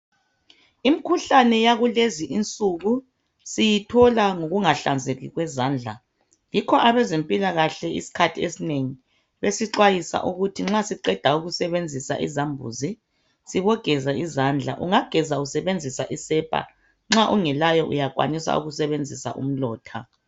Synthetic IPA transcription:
imikʰuɬanɛjaɣuleziʔint͡sʼuɣu | sijitʰɔlaŋoɣuŋaɬand͡zʱeɣiɣwɛzaːnd͡ɮʱa | jikʰɔʔaβɛzempʼilaɣaɬɛḭsi̥kʰatʰiḛsineŋi | βesiǁwajisa̰ʔuɣutʰiŋ͡ǁasiǃɛd̥ʱauɣusɛβend͡zʱisa̰ʔḭzambʱṵzi | siβɔɡ̥ʱɛzaʔizaːnd͡ɮʱa̰ʔṵŋaɡ̥ʱɛzausɛβend͡zʱisaʔisɛpʰʼa̰ | ŋ͡ǁaʔuŋɛlajɔʔṵjakʼwa̰nisa̰ṵɣusɛβend͡zʱisa̰ʔṵm̩lɔːtʰa̰

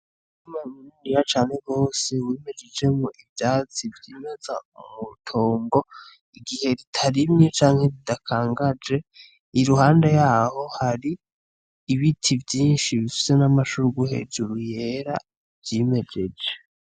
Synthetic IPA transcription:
imamunundijat͡ʃaːnhe̞ɡo̞ːseweːme̞d͡ʒe̞d͡ʒe̞muʔivjaːt͡sivjiːmezaumutʰoːŋɡo̞ | iɡihe̞ɾitʰaɾimɲet͡ʃaːŋhe̞ɾidakʰaːŋɡad͡ʒe̞ | iɾuhaːnde̞jaːho̞haɾiː | βitʰivjiːnʃiβifi̥ze̞namaʃuɾuɡuhe̞̰d͡ʒuɾuje̞ːɾa | vjime̞d͡ʒe̞d͡ʒe

